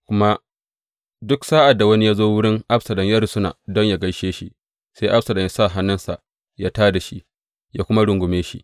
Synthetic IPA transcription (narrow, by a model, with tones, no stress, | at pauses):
kʷʊ˦ma˦ | dʊ˦ksaː˦ʔa˨dːa˨wɐ˦ni˦jaː˦zoː˦wʊ˦ɽɪ˦ŋʔa˦ɸsɐ˨lɐ˨ɲja˦ɾʊ˨sʊ˦na̰ː˨dɔ˦ɲja˨ɡɐ˦jʃeː˦ʃi˦ | se˦jʔa˦psɐ˨lɐ˨ŋja˦sa˦˨ɦa˦nɐ˦nsa˨ | ja˦taː˦da˨ʃi˦ | jaː˦kʷʊ˦ma˦ɽʊ˨ŋɡʷʊ˨meː˦ʃḭ˦ʔ